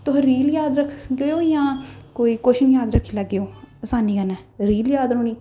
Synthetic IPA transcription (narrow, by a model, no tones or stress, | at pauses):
t̪ʊɦə̃ɾiːljaːd̪ɾəkʰɡeoːjãːkoːiːkoːʃɪnjaːd̪ɾəkʰːiːlɛːɡɪjoːsaːniːkənɛːɾiːljaːd̪ɾõːniː